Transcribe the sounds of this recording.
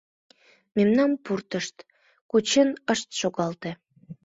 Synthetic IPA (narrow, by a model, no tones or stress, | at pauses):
memnɑnpurt̪əʃt̪ | kut͡ɕenəʃt̪ʃoɣɑlt̪ĕ